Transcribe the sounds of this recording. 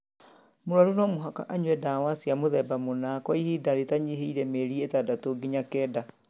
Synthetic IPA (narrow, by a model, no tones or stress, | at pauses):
moɾwaɾunɔmoɦaka̰ʔaɲwɛdawasiamoðɛbamonaːkɔihidaɾetaɲiɦeiɾɛmeɾietadatoɡiɲakɛːda